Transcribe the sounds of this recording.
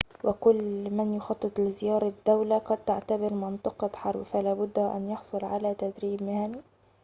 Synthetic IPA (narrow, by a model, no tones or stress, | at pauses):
wɪkʊlːmanjʊxɑt̪ˤːɨt̪ˤlɪzɪjɑːɾˤɑd̪̥ːawlaqɑd̪̚t̪aʕt̪abɪɾmɪnt̪ˤɨqɑħɑɾˤbfalaːbʊd̪ːhʔa̰njɑħsˤʊlʕalat̪ad̪ɾiːbmɪhani